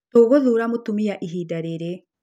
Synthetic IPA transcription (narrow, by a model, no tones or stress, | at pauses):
oːɣoðuɾamotumiaʔiɦidaɾeɾe